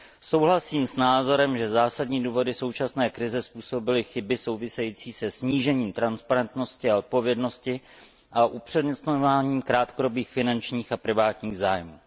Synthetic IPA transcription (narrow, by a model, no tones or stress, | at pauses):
so̞wɦlasiːmsnaːzo̞ɾɛmʒɛzaːsadɲiːduːvo̞dɪso̞wt͡ʃasnɛːkɾɪzɛspuːso̞bɪlɪxɪbɪso̞wvɪsɛjit͡siːsɛsɲiːʒɛɲiːmt̪ɾanspaɾɛnt̪no̞scɪao̞t̪̚po̞vjɛdno̞scɪ | ʔaʔupr̥ɛdɲɛst̪ɲovaːɲiːmkɾaːt̪kodo̞biːxfɪnant͡ʃɲiːxapɾɪvaːt̪ɲiːɣzaːjmuː